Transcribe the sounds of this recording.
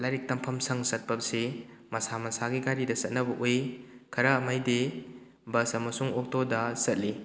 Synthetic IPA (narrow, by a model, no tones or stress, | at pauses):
laɾik̚tɐmpʰɐmsɐŋsɐt̚pɐp̚se | mɐsamɐsaɡiɡajɾidɐsɐt̚nɐbɐʔojkʰɐɾamajde | bɐsɐmɐsuŋok̚todɐsɐt̚li